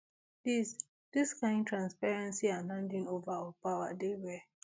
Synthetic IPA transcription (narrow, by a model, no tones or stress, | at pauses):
d̥is | d̥iskãɪ̃ndtɹãnspɛɹɛ̃nsianãndĩnovaɔpawa̰dewɛ